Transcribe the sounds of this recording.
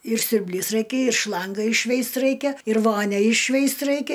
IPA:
ɪr sʲʊrʲbʲˈlʲiːs ˈrɐɪkʲɛ ɪr ˈʃlˠɐŋɡɐ ɪʃʲˈʃʲʋʲɛɪst ˈrɐɪkʲɛ ɪr ˈʋoːnʲɛ ɪʃʲˈʃʲʋʲɛɪst ˈrɐɪkʲɛ

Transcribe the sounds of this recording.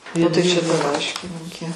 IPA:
oː ˈtɐɪ ˈt͡ʃʲɛ tɐ ˈlˠɐɪʃʲkʲɪnʲiːkʲɛ

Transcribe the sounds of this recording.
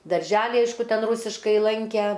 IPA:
dɐrʲˈʒʲæːlʲɪ ˈɐɪʃkʊ ˈtʲɛn ˈruːsʲɪʃkɐɪ ˈlˠɐŋʲkʲæ

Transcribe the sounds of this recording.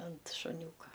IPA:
ɐnt ʃʊˈnʲuːkɐ

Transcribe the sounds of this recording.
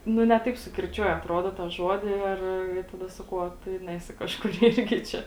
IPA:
ˈnʊ nʲɛ ˈtɐɪp sʊkʲɪrʲˈt͡ʃʲuɔjɛ ɐtˈroːdoː tɑː ˈʒoːdʲɪ ɪr tɐˈdɐ sɐˈkɐʊ oː ˈtʊ ɪ ˈnʲæːsʲɪ kɐʃˈkʊr ˈɪrʲɡʲɪ ˈt͡ʃʲɛ

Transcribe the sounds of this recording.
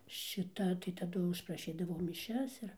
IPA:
ʃʲɪˈtɐ tɐɪ tɐˈdʊ ʊʃprɐˈʃʲiːdɐʋɐʊ mʲɪˈʃʲɛs ɪr

